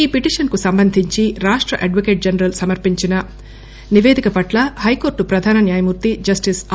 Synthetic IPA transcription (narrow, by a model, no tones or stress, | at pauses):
iːpiʈiːʂɐnkusɐmbɐnd̪ʱiɲt͡ʃiɾaːʂʈɾɐʔɐɖʋɐkeːʈ̚d͡ʒɐnɐɾɐlsɐmɐɾpiɲt͡ʃinɐ | niʋeːd̪ʱikɐpɐʈlɐhɐjko̞ːɾʈupɾɐd̪ʱaːnɐnjaːjɐmuːɾt̪id͡ʒɐsʈis